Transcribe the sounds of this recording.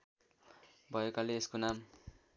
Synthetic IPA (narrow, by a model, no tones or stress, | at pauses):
bʱʌekaleeskonam